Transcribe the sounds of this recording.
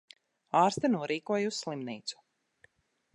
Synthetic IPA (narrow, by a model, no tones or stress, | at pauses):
aːɾst̪anuɔɾʔiːkuɔjusːlˠimniːt̪su̥